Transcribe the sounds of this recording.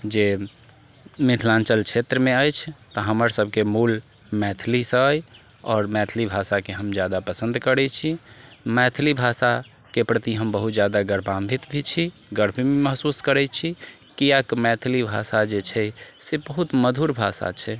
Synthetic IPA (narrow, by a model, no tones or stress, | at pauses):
d͡ʒe | mɪt̪ʰlãnt͡ʃəlkt͡ʃʰet̪ɾəmeəjt͡ʃʰt̪ɔɦəməɾsəb̚ʱkemul | mɛt̪ʰlisəj | ɔːɾmɛt̪ʰlibʱasakeɦəmd͡ʒjad̪apəsə̃nd̪kəɾɛt͡ʃʰimɛt̪ʰlibʱasa | kepɾət̪iɦəmbəɦut̪d͡ʒjad̪aɡəɾbʰambʱit̪bʱit͡ʃʰi | ɡəɾbʰimeməɦsuskəɾɛt͡ʃʰi | kiakmɛt̪ʰlibʱasad͡ʒet͡ʃʰɛsebəɦut̪məd̪ʱuɾbʱa̰sa̰t͡ʃʰɛ